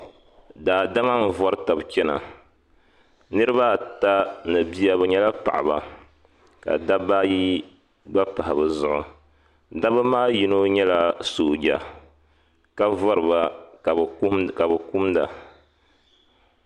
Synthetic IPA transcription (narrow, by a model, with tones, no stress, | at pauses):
daː˨da˦ma˦n̩˦˨vɔ˦ɾta˨bt͡ʃɛ˦na̰˨ | nɨ˦ɾɨ˦ba˦˨ta˦nɨ˨bi˦a˦bɨ˨ɲɛ˦la˦pa̰˨ʔa̰˨ba̰˨ | ka̰˨da˦ba˦ji˦ | ba˦pa˨ha˨bɨ˨zʊ˨ʔʊ˨ | da˦bɨ˦maː˦ji˦no˦ɲɛ˦la˨soː˨ɡa̰˨ | ka˦vɔ˦ɾɨ˨ba˦˨ | ka˨bɨ˨ku˦mda̰˨